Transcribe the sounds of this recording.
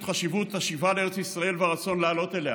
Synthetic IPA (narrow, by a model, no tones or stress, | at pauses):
tχaʃivut̪aʃivalee̞et͡sisʁae̞lvaʁat͡so̞nlealo̞t̪elea